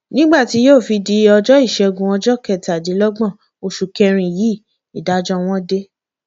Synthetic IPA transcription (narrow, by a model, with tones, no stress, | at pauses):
nĩ˦ɡ͡ba˦˨ti˨˧˦joː˦˨fi˧di˧˦ɔ˧d͡ʒɔ˦i˦˨ʃɛ˧o˧ɡũ˨ɔ̃˧d͡ʒɔ˦kɛ˨ta˨di˨˦lɔ˦ɡ͡bɔ̃˦˨ | o˧ʃu˨kɛ˧ɾ̃ĩ˨ji˨˦˨ | i˨da˨˦d͡ʒɔ˦w̃ɔ̃˦de˦